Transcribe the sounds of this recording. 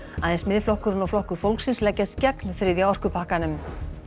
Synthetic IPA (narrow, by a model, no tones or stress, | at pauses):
aðɛnsmɪðflɔhkʏɾʏnɔwflɔhkʏɾ̥fowlksɪnslɛcːast̪cɛknfɾɪðjawɔr̥kʏpʰahkanʏm